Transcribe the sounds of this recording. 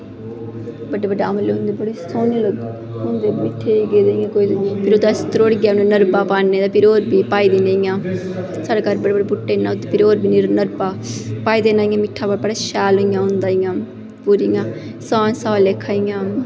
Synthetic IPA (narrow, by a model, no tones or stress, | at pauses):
bəɖeːbəɖamleːɦʊnd̪eːbəɽiːsoːnelo | ɦʊnd̪eːmɪʈʰːeːiɡeːd̪ẽːjãːkoːipʰɪɾod̪ast̪ɾoːɽɡjaʊnːnəɾbaːpaːnːeːd̪aːpʰɪɾoːɾbiːpaːiːd̪iːnaːjãː | saːɖeːkaɾbəɖeːbəɖebʊʈːeːnãt̪ːepʰɪɾoːɾbʱiːnːɾnəɾbaːpaːiːd̪eːnaːijãːmɪʈʰːaːbəɽbəɽaːʃɛːloijãːɦʊ̃nd̪aːijãː | puɾijãː | saːnsaːlekʰːaːijãːm